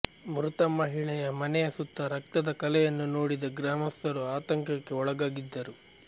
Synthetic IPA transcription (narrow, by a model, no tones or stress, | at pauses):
mɾut̪ɐmɐɦiɭɛjɐmɐnɛjɐsut̪ːɐɾɐk̚t̪ɐd̪ɐkɐlɛjɐnːunoːɽid̪ɐɡɾaːmɐst̪ɐɾuaːt̪ɐŋkɐkːe̞ɔɭɐɡaːɡid̪ːɐɾu